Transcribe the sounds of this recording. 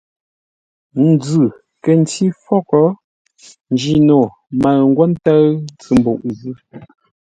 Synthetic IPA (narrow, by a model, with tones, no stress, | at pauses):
n̩˨d͡zʉ˨ | kə˨n̩˨ti˦fɔ˦˨kɔ˦ | n̩˨d͡ʒi˦˨no˨ | ma˨ŋ̩˦ɡwɔ˦n˦ta˦t͡sɨ˨m̩˨bo˨ʔn˨zɯ˦